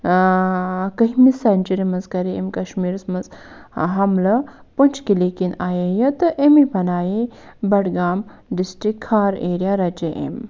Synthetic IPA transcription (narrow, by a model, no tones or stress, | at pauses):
kɐɦimisɐnt͡ʃiɾimɐzkɐɾiḛmkɐʃmiːɾsmɐzɦɐmlɐ | pɐnt͡ʃʰkilikinaːjejɐt̪ɨʔemibɐnaːje | bɐɽɡaːm | ɖisʈɾikʰhaːɾeːɾijaɾɐt͡ʃeʔḛm